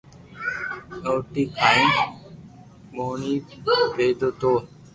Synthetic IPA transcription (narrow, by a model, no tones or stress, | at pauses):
oːʈiːkʰaːĩː | moːniːpeːd̪oːt̪oː